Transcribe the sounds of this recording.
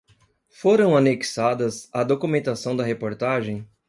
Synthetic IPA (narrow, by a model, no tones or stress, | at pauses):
foɾɐ̃w̃aneki̥sad̪ɐzad̪okumẽnt̪asɐ̃w̃d̪ɐɦepoɾt̪aʒẽj̃